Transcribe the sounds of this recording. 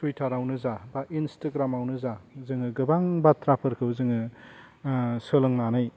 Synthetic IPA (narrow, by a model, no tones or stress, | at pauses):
tʰujtʰaɾawnɯzabaʔinstaɡɾamawnɯzazɯŋɯɡɯbaŋbat̪ʰɾapʰɯɾkʰɯwzɯŋɯ | sɯlɯŋnanɯj